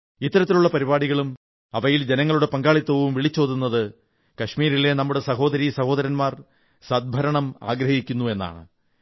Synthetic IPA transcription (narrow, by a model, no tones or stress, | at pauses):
it̪ːɐɾɐt̪ːiluɭːɐpɐɾibaːɽiɣɐɭum | ɐʋɐjild͡ʑenɐŋːɐɭuɽe̞pɐŋɡaːɭit̪ːɐʋumʋiɭit͡ɕːo̞ːðunːɐðɨ | kɐʂmiːɾile̞nɐmːuɽesɐɦo̞ːd̪ɐɾisɐho̞ːðɐɾɐnmaːr | sɐd̪̚bʱɐɾɐɳɐma̰ːɡɾɐhikʲːunːue̞nːa̰ːɳɨ